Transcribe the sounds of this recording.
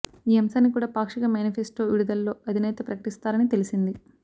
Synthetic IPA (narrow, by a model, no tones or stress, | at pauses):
iːɐmɐsaːnːikuːɽaːpaːkʂikɐmjaːnipʰesʈoːʋiɽud̪ɐlːo̞ːɐd̪ʱinɛːt̪ɐpɾɐkɐ̥ʈist̪aːɾɐnit̪e̞lisind̪i